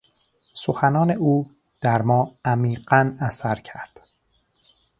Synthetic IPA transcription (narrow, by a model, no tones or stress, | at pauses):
soxænɒːne̞ʔuː | d̪̥æɾmɒːæmiːɢænæsæɾcʰæɾd̪̥